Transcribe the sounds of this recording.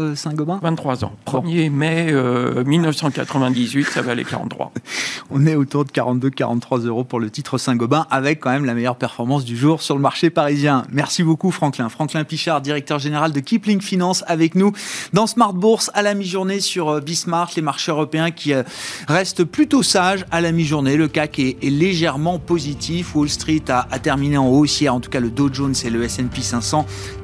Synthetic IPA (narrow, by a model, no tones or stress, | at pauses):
øsɛ̃ɡɔbɛ̃vɛ̃t̪t̪ːχwazɑ̰̃pχəmjemɛømilnəfsɑ̃ka̰t̪χəvɛ̃d̪izɥit̪savalḛka̰ʁɑ̰̃t̪ːχwa̰ɔ̃nɛot̪uʁd̪əkaʁɑ̃t̪̚d̪øka̰ʁɑ̃t̪ːχwazøʁopuʁlət̪it̪χəsɛ̃ɡɔbɛ̃ʔavɛkːɑ̃mɛmlamejœʁpɛʁfɔʁmɑ̃s̬d̪yʒuʁsyʁləmaʁʃepaʁizjɛ̃mɛʁsibokufχɑ̃klɛ̃fχɑ̃klɛ̃piʃaʁd̪iʁɛk̚t̪œʁʒeneʁald̪əkʲipliŋfinɑ̃savɛknud̪ɑ̃smaʁt̪̚buʁsalamiʒuʁnesyʁəbismaʁt̪lemaʁʃeøʁɔpeɛ̃kʲiʁɛst̪plyt̪osaʒalamiʒuʁneləkakɛːleʒɛʁmɑ̃pozit̪ʰifwolst̪χit̪aːt̪ɛʁmineɑ̃osjɛʁɑ̃t̪u̥kaləd̪oʒonsɛløɛsɛnpisɛ̃sɑ̃